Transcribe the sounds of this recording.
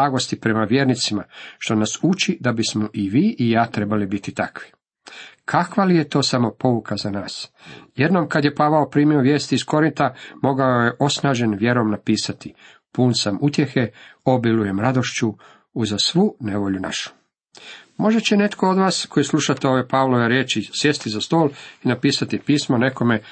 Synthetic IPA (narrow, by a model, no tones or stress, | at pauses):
aːɡo̞st̪ipɾe̞maʋje̞ːɾnit̪simaʃt̪o̞nasut͡ʃid̪abismoʔiʋiːʔijaːt̪ɾe̞balibit̪it̪akʋi̥ | kʰakʋalije̞t̪o̞ːsamo̞po̞ukʰazanaːsje̞d̪no̞mkad̪je̞paʋaopɾiːmjioʋje̞ːst̪iːsko̞ɾint̪amo̞ɡaoje̞ʔo̞snaːʒe̞nʋje̞ɾo̞mnapiːsat̪i | puːnsamut̪je̞xeo̞biluje̞mɾad̪o̞ʃt͡ɕu | uzasʋuːneʋo̞ʎuna̰ʃu̥ | mo̞ʒe̞t͡ɕene̞t̪kʰo̞od̪ʋaːsko̞jisluʃat̪eo̞ʋepaʋloʋeɾjeːt͡ʃisjest̪izast̪o̞ːlinapiːsat̪ipiːsmone̞ko̞me